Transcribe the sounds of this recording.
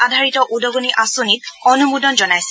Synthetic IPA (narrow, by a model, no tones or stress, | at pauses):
adʱaɹitɔʔudɔɡoniʔasonit̚ɔnumudɔnzɔnajsɛ̥